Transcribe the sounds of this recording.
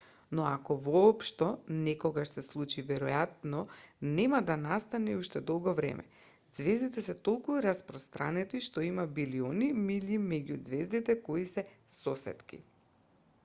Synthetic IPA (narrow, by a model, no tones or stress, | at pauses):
nɔakɔvɔːpʃt̪ɔnɛkɔɡaʃsɛslˠut͡ʃivɛɾɔjat̪̚nɔnɛmad̪anast̪anɛuʃt̪ɛd̪ɔlˠɡɔvɾɛ̰mʔɛ̰ | d̪z̥vɛzd̪it̪ɛsɛt̪olˠkuɾaspɾɔst̪ɾʔanɛt̪iʃt̪ɔimabilionimilimɛɟud̪zvɛzd̪it̪ɛkoisɛsɔsɛ̰t̪kḭ